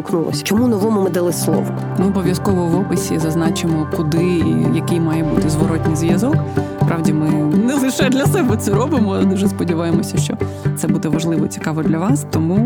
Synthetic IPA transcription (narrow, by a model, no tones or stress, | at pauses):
knulˠɔ̰sʲɐ̥t͡ʃɔmunɔʋɔmʊmɪd̪ɐlˠɪslˠɔ̰ʋɔ | mɪɔbɔʋjɐskɔʋɔʋɔpɪsʲḭzɐznɑt͡ʃɪmɔkʊd̪ɪjɐkɪjmɑjɛbut̪ɪzʋɔɾɔtʲnʲijzʋjɐzɔkspɾʔɑʋdʲimɪnɛlˠɪʃɛd̪lʲɐsɛbɛt̪sɛɾɔbɪmɔlˠd̪uʒɛspɔdʲiʋɑjemɔsʲɐʃt͡ʃɔ̰ | t̪sɛbud̪ɛʋɐʒlˠɪʋɔt͡sʲi̥kɑʋɔd̪lʲɐʋɑst̪ɔmu